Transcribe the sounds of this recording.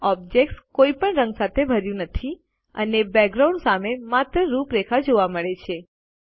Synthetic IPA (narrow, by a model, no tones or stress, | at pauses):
ɔb̚d͡ʒek̚ʈskoipəɳɾə̃ŋɡsat̪ʰebʱəɾjũnət̪ʰi | ənebɛɡ̚ɡɾaũɳɖsamemat̪ɾəɾupɾekʰad͡ʒoʋaməɭet͡ʃʰe